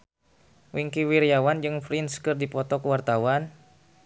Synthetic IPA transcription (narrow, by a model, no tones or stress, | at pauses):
wiŋkiwiɾiawand͡ʒɨŋfɾinskɨrdipɔt̪ɔkəwart̪awan